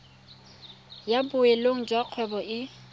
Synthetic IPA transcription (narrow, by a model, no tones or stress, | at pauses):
jabʊeloŋ̩d͡ʒwaq͡χʰwɛbɔʔɪ